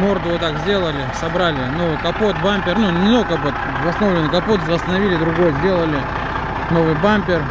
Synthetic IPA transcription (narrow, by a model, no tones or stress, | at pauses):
mo̞rd̪ʊvot̪akzʲdʲe̞lˠəlʲɪsɐbɾalʲɪno̞vɨjkɐpo̞t̪̚bampʲɪrnunʲɪnokɐpot̪ | vɐsno̞vlʲɪnɨjkɐpo̞t̪zvəst̪ənɐvʲilʲɪd̪ɾʊɡo̞jzʲdʲe̞lˠəlʲɪ | no̞vɨjbamʲpʲɪr